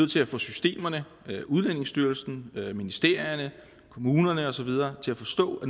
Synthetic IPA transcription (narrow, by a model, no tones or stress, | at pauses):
ð̩̰ˠt͡sʰe̝læfɔ̽sysd̥e̝̰ːmɐnə | uð̞ˠlæn̰e̝ŋsd̥yɐlsn̩minisd̥e̝ɐ̰jɐnə | kʰo̝muːnɐnəɒ̽sɒ̽ʋið̞ˠɐːt͡sʰe̝læfɒ̽sd̥ɔ̰̽ːæn